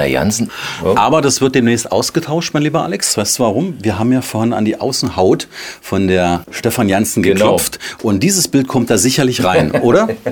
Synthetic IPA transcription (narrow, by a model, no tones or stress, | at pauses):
a̰ja̰nsn̩ʔaːbɐdasv̥ɪɐt̚d̥eːmnɛːstʔa̰ʊsɡ̥ətʰaʊʃtmaɪnliːbɐʔa̰lɛksv̥aɪstd̥uːvaʁ̞ʊmviːɐɦaːbm̩jaːfoːɐhɪna̰ndiːʔa̰ʊsn̩haʊtfɔndeːɐʃtɛfanjansn̩ɡəkʰlɔp͡ftʔʊnt̚d̥iːzəsb̥ɪlt̚kʰɔmt̚d̥aːzɪçɐlɪçʁaɪnʔoːɾɐ